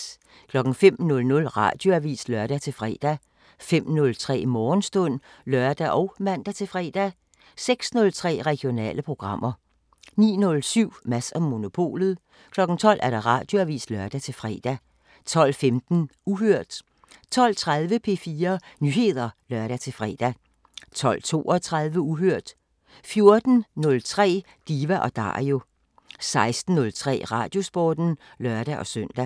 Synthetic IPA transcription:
kʰlɒ̽ɡ̥ŋ̩fem̰nɔ̽lnɔ̽lʁɑ̈d̥jo̝æʋḭːslœɐɾ̥æt͡sʰe̝lfʁɛ̰ːd̥æ | fem̰nɔ̽lt͡sʰʁɛ̰ːmɒːnsd̥ɔ̽n̰lɶɐd̥æʔɒʊmæn̰d̥æt͡sʰe̝fʁɛ̰ːd̥æ | seɡ̥snɔ̽lt͡sʰʁɛ̰ːʁɛɡ̥jo̝nɛ̰ːləpʰʁo̝ɡ̥ʁɑ̈m̰ɐ | nḭːnɔ̽lsyʊ̰mæsɒ̽mːo̝no̝pʰo̝̰ːlð̞̩ˠ | kʰlɒ̽ɡ̥ŋ̩t͡sʰɒ̽l̰ʔæɐɾ̥ɑ̈ʁɑ̈d̥jo̝æʋḭːslɶɐd̥æt͡sʰe̝lfʁɛ̰ːd̥æ | t͡sʰɒ̽l̰femd̥n̩uɦøɐ̰d̥ | t͡sʰɒ̽l̰t͡sʰʁað̞ˠʋəpʰe̝ːfiːɐnyːhe̝ð̞̰ˠɐlɶɐɾ̥æt͡sʰe̝lfʁɛ̰ːd̥æ | t͡sʰɒ̽l̰t͡sʰo̝̰ːɒt͡sʰʁað̞ˠʋəuɦøɐ̰d̥ | fjo̝ɐd̥n̩nɔ̽lt͡sʰʁɛ̰ː | d̥iːʋæʔɒ̽d̥ɑ̰̈ːʁio̝ | sɑ̈ɪsd̥n̩ːɔ̽lt͡sʰʁɛ̰ːʁɑ̈ːd̥jo̝sb̥ɒːd̥n̩ | lœɐɾ̥æʔɒ̽sœn̰d̥æ

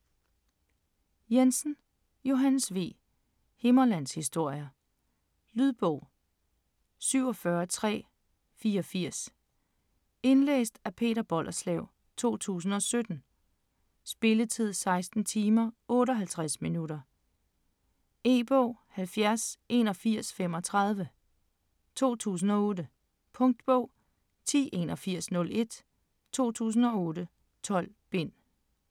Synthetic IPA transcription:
jensn̩ | jo̝ɦænsʋe̝̰ː | he̝mɐlæn̰shisd̥o̝ɐ̰jɐ | lyðˠb̥ɔʊ̰ | syʊ̰ɒ̽fɶːɐt͡sʰʁɛ̰ː | fiːɒfiɐ̰s | e̝nlḛːsd̥æpʰe̝̰ːɾɐb̥ɒ̽l̰ʔɐslɛʊ | t͡sʰo̝̰ːt͡sʰṵːs̬n̩ɒ̽sød̥n̩ | sb̥e̝lət͡sʰið̞̰ˠsɑ̈ɪsd̥n̩t͡sʰiːmɐʔɔ̽ːɾəɒɦælt͡sʰʁasminuɾɐ | e̝̰ːb̥ɔ̰ʊhælfjæɐsʔe̝ːnɒ̽fiɐ̰sfem̰ɒ̽t͡sʰʁɑ̈ð̞ˠʋə | t͡sʰo̝̰ːt͡sʰṵːs̬n̩ɒ̽ɔ̽ːdə | pʰɔ̽ŋd̥̚b̥ɔʊ̰ | t͡sʰḭːʔe̝nɒ̽fiɐ̰snɔ̽le̝d̥ | t͡sʰo̝̰ːt͡sʰṵːs̬n̩ɒ̽ɔːɾə | t͡sʰɒ̽l̰ | b̥e̝n̰

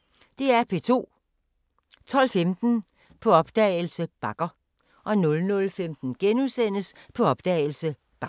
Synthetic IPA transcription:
d̥e̝æɐpʰe̝t͡sʰo̝̰ː | t͡sʰɒ̽l̰femd̥n̩ | pʰɒ̽ɒ̽b̥d̥ɛːɪl̩səb̥ɑ̈ɡ̥ɐ | ʔɒ̽nɔ̽lnɔ̽lfemd̥n̩ɡ̥enusen̰əspʰɒ̽ɒ̽b̥d̥ɛ̰ːɪl̩sə | b̥ɑ

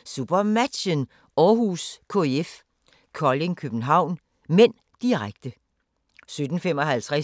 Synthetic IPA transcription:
sub̥ɐmæd̥ɕən | ɒːɦuskʰo̝eef | kʰɒle̝ŋkʰøb̥n̩ɦɑ̈ʊ̰n | men̰ | d̥iʁaɡ̥̚d̥ə | sød̥n̩femɒ̽ɦælt͡sʰʁɛ

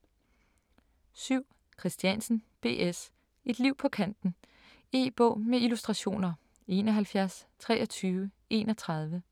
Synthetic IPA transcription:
syʊ̰ | kʰʁisd̥jænsn̩b̥e̝̰ːʔes | e̝d̥liʊ̰pʰɒ̽kʰæn̰d̥n̩ | e̝̰ːb̥ɔ̰̽ʊːmeilusd̥ʁɑ̈ɕo̝̰ːnɐ | e̝ːnɒɦælfjæɐst͡sʰʁɛ̰ːɒt͡sʰyːʊə | e̝̰ːnɒ̽t͡sʰʁɑ̈ð̞ˠʋə

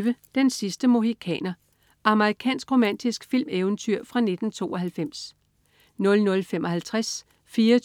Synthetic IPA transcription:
ʋəd̥ensisd̥əmoɦikʰɛ̰ːnɐ | ʔɑ̈məʁikʰɛ̰ːnsɡ̥ʁo̝mæn̰d̥isɡ̥fil̰meʊən̩t͡sʰyɐ̰fʁɑ̈ne̝d̥n̩t͡sʰo̝̰ːɒ̽ɦælfem̰s | nɔ̽lnɔ̽lfemʔɒ̽ɦælt͡sʰʁas | fiːɐ

